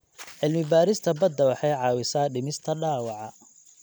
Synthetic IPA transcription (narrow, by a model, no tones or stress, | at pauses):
ʕɪlmɪbaːɾɪst̪ʰɐbɐd̪ːɐwɑħɑjʕɑːwɪsaːɖɪmɪst̪ʰɐɖaːwɑʕɑ̰